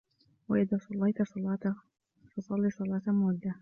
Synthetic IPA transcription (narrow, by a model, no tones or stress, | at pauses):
waʔɪðaːsˤɑlːɑjt̪sɑlɑt̪ | fɑsˤɑlːisˤɑlɑːt̪amʊd̪ːa